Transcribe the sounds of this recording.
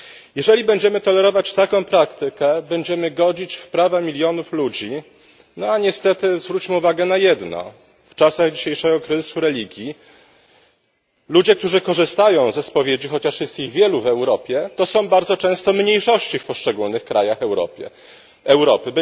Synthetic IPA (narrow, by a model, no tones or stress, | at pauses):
jɛʐɛlʲibɛɲd͡ʑɛmɘt̪ɔlɛɾɔvat͡ɕt̪akɔ̃w̃pɾakt̪ɘkɛbɛɲd͡ʑɛmɘɡɔd͡ʑit͡ɕfpɾavamʲilʲjɔnuflud͡ʑi | nɔaɲɛst̪ɛt̪ɘzvɾut͡ɕmɘuvaɡɛnajɛd̪nɔ̰ | ft͡ʂasaɣd͡ʑiɕejʂɛɡɔkɾɨzɘsuɾɛlʲiɡʲji | lud͡ʑɛk̚t̪uʐɘkɔʐɘst̪ajɔ̃w̃zɛspɔvʲjed͡ʑixɔt͡ɕaʂjɛst̪iɣvʲjɛluvɛwɾɔpʲjɛt̪ɔsɔ̃w̃baɾd̪zɔt͡ʂɛ̃w̃st̪ɔmɲejʂɔɕt͡ɕifpɔʂt͡ʂɛɡulnɘxkɾajaxɛwɾɔ̰pʲjɛ̰ | ɛwɾɔpɘb